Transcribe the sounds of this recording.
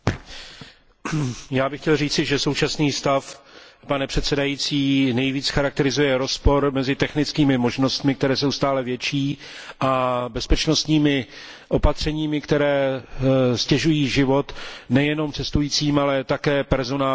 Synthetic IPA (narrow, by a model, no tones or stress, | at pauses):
jaːbɪxcɛlriːt͡sɪʒɛso̞wt͡ʃasniːst̪afpanɛpr̝̥ɛt̪sɛdajiːt͡siːnɛjviːt͡sxaɾak̚t̪ɛɾɪzujɛɾo̞spo̞ɾmɛzɪt̪ɛxnɪt͡skiːmɪmo̞ʒno̞st̪mɪk̚t̪ɛɾɛːs̬owst̪aːlɛvjɛt͡ʃiː | ʔabɛspɛt͡ʃno̞st̪ɲiːmɪ | ʔo̞pat̪r̝̥ɛɲiːmɪkt̪ɛɾɛː | scɛʒujiːʒɪvo̞t̪nɛjɛno̞mt͡sɛst̪ujiːt͡siːmalɛt̪akɛːpɛɾzo̞naː